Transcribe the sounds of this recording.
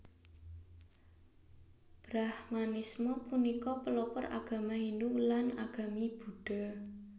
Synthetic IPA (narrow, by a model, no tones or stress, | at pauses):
b̥ɾahmanismɔpunikɔpəlɔpɔra̰ɡ̥a̤mahindulana̰ɡ̥a̤mib̥ṳɖ̥a̤